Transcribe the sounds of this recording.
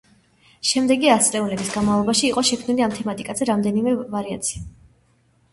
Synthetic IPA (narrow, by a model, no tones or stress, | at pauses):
ʃɛmd̪ɛɡiasʼlɛunlɛbisɡanmavlˠɔbaʃiːqʼɔʃɛkʰmniliamt̪ʰɛmat̪ʼikʼazɛɾamd̪ɛnimɛvaɾia̰t̪sʰi̥a